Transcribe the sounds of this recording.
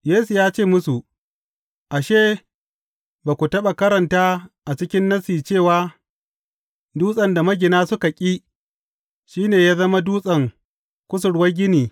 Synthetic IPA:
jeː˦su˨jaː˦t͡ʃeː˦˨mʊ˦su˨ | ʔa˨ʃeː˦ | baː˨kʷu˨tɐ˦ɓa˨kɐ˦ɾɐ˨ntaː˦ʔa˨t͡ʃɪ˦kʲɪ˦nːɐ˦siː˨t͡ʃeː˦˨waː˦ | duː˦sʼɐ˨nda˨mɐ˦ɡʲɪ˨naː˦sʊ˦ka˨kʲʼiː˦ | ʃiː˦neː˨jaː˦zɐ˦ma˦duː˦sʼɐ˨ŋ | kʷʊ˦s̬ʊ˨ɽwɐ˦ɡʲɪ˦niː˨

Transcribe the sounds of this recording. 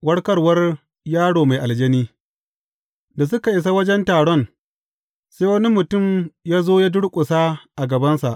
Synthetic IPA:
wɐ˦ɽkɐ˦rwɐ˦r | jaː˦ɽoː˨ma˨jʔa˨ld͡ʒɐ˦niː˦ | da˨s̬ʊ˦ka˨ʔɪ˨˦s̬a˦wɐ˦d͡ʒɛ˦ntaː˨ɽɔ˦˨n | seː˦wɐ˦ni˦mʊ˨tʊ˦˨mjaː˦zoː˦jaː˦dʊ˦ɽkʷʼʊ˨sa˦ʔa˨ɡɐ˨bɐ˦nsa˨ʔ

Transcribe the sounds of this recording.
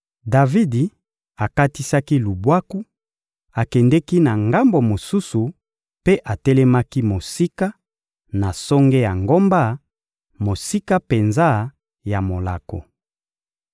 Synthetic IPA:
da˨vi˦di˨ | a˨ka˦ti˦sa˦ki˦lu˨bwa˦ku˦ | a˨kɛ˨ndɛ˦ki˦na˨ŋɡa˦mbo˨mo˨su˦su˨ | pe˦ʔa˨tɛ˦lɛ˦ma˦ki˦mo˨si˦ka˦ | na˨so˦ŋɡe˦ja˨ŋɡo˦mba˦ | mo˨si˦ka˦pe˨nza˦ | ja˨mo˨la̰˨ko̰˨

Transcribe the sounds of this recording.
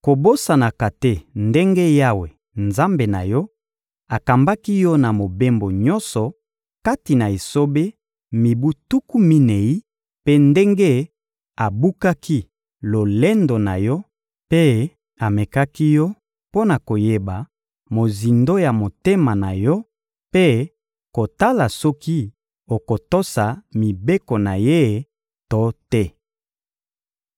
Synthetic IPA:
ko˨bo˦sa˨na˨ka˨te˦nde˦ŋɡe˦ja˦we˨ | nza˦mbe˨na̰˨jɔ˦ | a˨ka˨mba˦ki˦jɔ˦na˨mo˨be˦mbo˨ɲɔ˦nsɔ˨ | ka˦ti˨na˨i˨so˦be˦ | mi˨bu˦tu˦ku˦mi˦ne˨i˦ | pe˦nde˦ŋɡe˦ | a˨bu˦ka˦kʰi˦ | lo˨le˦ndo˨na̰˨jɔ˦ | pe˦ | a˨me˨ka˦ki˦jɔ˦ | po˦na˨ko˨je˦ba˨ | mo˨zi˨ndo˦ja˨mo˨te˦ma˨na̰˨jɔ˦ | pe˦ | ko˨ta˦la˨sɔ˦ki˦ | o˨ko˨to˦sa˨mi˨be˦ko˨na˨je˦˨ | to˦tɛ˦

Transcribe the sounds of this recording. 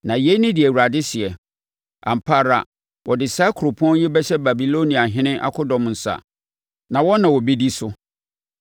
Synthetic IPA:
nã˨je˦nɪ̃˦dɪ˨ɛ˨wu˨ɾa˨dɪ˦ɕɪ˨ɛ˨ | a̰˨m̩˨pʰa˦ɾa̰˨ | wʔɔ˨dɪ˨saː˦kʰɾo˨pʰʊ˦ɔ̃˦n˦jɛ˦bɛ˦ɕɛ˦ba˨bi˨lo˦nĩ˨a˨ɦɪ̃˦nɪ̃˦ʔa̰˦kʰʊ˦dɔ̃˨mn̩˨sa̰˨ | nã˨wɔ˦nã˨wɔ˨be˦di˦sʊ˦

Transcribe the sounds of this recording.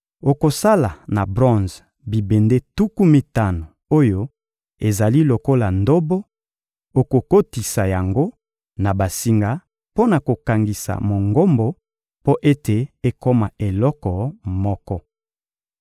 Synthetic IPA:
o˨ko˨sa˦la˨na˨bʁɔ̃˦nz | bi˨be˨nde˦tu˦ku˦mi˨ta˦no˨ | o˦jo˦ | e˨za˨li˦lo˨ko˦la˨ndo˦bo˦ | o˨ko˨ko˦ti˨sa˨ja˨ŋɡo˦ | na˨ba˨si˨ŋɡa˦ | po˦na˨ko˨ka˨ŋɡi˨sa̰˨mo˨ŋɡo˦mbo˦ | po˦ʔe˦te˨e˦ko˦ma˨e˨lɔ˦kɔ˨mɔ˦kɔ˦

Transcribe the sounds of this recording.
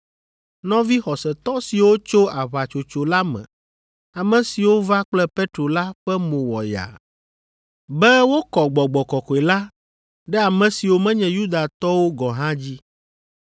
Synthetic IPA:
nɔ̃˦vi˦xɔ˨sɛ˨t̪ɔ˦si˨wo˦t͡ʃo˦a˨βa˨t͡ʃo˨t͡ʃo˨la˦mɛ̰̃˨ | a˨mɛ̃˨si˨wo˦va˦k͡plɛ˦pe˦t̪ɾo˨la˦ɸɛ˦mõ˨wɔ˨ja̰˨ | bɛ˦wo˦kɔ˨ɡ͡bɔ˨ɡ͡bɔ˨kɔ˨kɔ˨ɛ˨la˦ | ɖɛ˦a˨mɛ̃˨si˨wo˨mɛ̃˦ɲɛ̃˨ju˦d̪a˨t̪ɔ˦wo˦ɡɔ˨ɦã˦d͡ʑi˦

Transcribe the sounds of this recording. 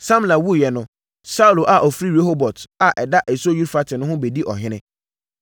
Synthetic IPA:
sã˦mla˨wu˦˨jɛ˨nʊ̃˦ | sa˦u˨lo˨ʔa˨ʔɔ˨fɾi˦ɾe˦ɦo˦bɔ˨tʰa˨ʔɛ˨da˦ʔɛ˨so˦ju˦ɾfa˦tʰɪ˨nʊ̃˦ɦʊ̃˦be˨di˦ʔɔ̰˨ɦɪ̃˦nɪ̃˦

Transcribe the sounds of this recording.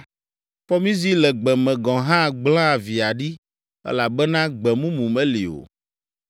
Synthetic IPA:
ɸɔ˦mĩ˦zi˦lɛ˨ɡ͡bɛ˨mɛ̃˨ɡɔ̃˨ɦã˦˨ɡ͡blã˦˨vi˨a˨ɖi˦ | ɛ̰˦la˨bɛ˦nã˦ɡ͡bɛ˨mũ˦mũ˨mɛ̃˦li˨o̰˨

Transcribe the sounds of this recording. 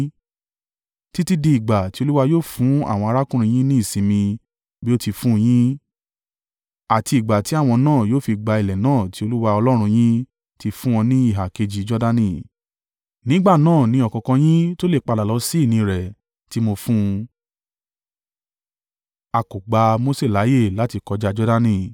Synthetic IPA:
ti˦ti˦di˧i˨ɡ͡ba˨ti˦o˧˦lu˦wa˧joː˦˨fũ˨˦a̰˦˨w̃ɔ̃˧a˧ɾa˦kũ˦ɾ̃ĩ˧j̃ĩ˦nĩ˦i˦˨sĩ˧mĩ˧ | bi˦o˦ti˧fũ˦j̃ĩ˦ | a˨ti˧i˨ɡ͡ba˨ti˨˦a˦˨w̃ɔ̃˧nãː˦˨joː˦fi˧ɡ͡ba˧i˨lɛ˨nãː˦˨ti˨˦o˧lu˦wa˧ɔ˧lɔ˦ɾ̃ũ˧j̃ĩ˦ | ti˧fũ˦ɔ̃˧nĩ˦i˦˨ɦa˨ke˧d͡ʒi˧d͡ʒɔ˦da˦nĩ˦˨ | nĩ˨˦ɡ͡ba˦˨nãː˦˨nĩ˨˦ɔ˦˧kɔ̃˧kɔ̃˧j̃ĩ˦to˦le˦˨k͡pa˧la˨lɔ˨˦si˦˨nĩ˧ɾɛ˨ | ti˦mo˧fũ˦ | a˧ko˨ɡ͡ba˧mo˦se˦˨la˨˦je˦˨la˨˦ti˧kɔ˧d͡ʒa˦d͡ʒɔ˦da˦nĩ˦˨

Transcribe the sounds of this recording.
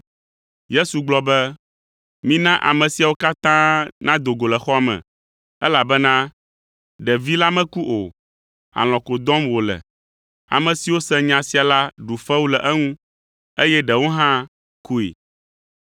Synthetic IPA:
je˦su˨ɡ͡blɔ˨bɛ˦ | mĩ˦nã˦ʔa̰˨mɛ̃˨si˨a˨wo˦ka˦t̪ã˦nã˦d̪o˨ɡo˨lɛ˨xɔ˦a˨mɛ̰̃˨ | ɛ˦la˨bɛ˦nã˦ | ɖɛ˨vi˦la˦mɛ̃˦ku˦ʔo˨ | a̰˨l̃ɔ̃˨ko˨d̪ɔ̃˦mwo˨lɛ̰˨ | a̰˨mɛ̃˨si˨wo˦sɛ̃˦ɲã˨si˨a˨la˦ɖu˨fɛ˦wu˦lɛ˨ʔɛ˦ŋũ˦ | e˦jɛ˦ɖɛ˨wo˦ɦã˦ | ku˦ḭ˨

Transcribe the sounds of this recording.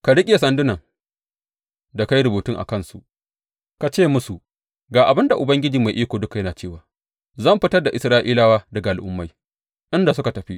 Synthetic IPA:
ka˨ɽɪ˦kʲʼe˨sɐ˨ndʊ˦nɐ˨ŋ | da˨ka˦jɾʊ˨buː˨tʊ˦ŋʔa̰˨kɐ˦˨nsṵ˨ʔ | ka˨t͡ʃeː˦˨mʊ˦su˨ | ɡaː˨ʔa˨bɪ˦nda˨ʔʊ˨bɐ˦ŋɡʲɪ˦d͡ʒiː˨ma˨jʔiː˦kʷoː˨dʊ˦ka˨jɐ˦naː˨t͡ʃeː˦˨waː˨ | zɐ˦˨mɸɪ˦tɐ˦rda˨ʔɪ˨sɾaː˦ʔiː˦laː˦waː˦dɐ˨ɡa˨ʔa˨lʔʊ̰˦mːa˦j | ʔɪ˦nda˨sʊ˦ka˨tɐ˨ɸi˦

